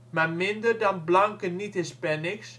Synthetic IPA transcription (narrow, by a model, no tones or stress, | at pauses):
mamɪndərdɑnblɑŋkənitɪspɛnɪks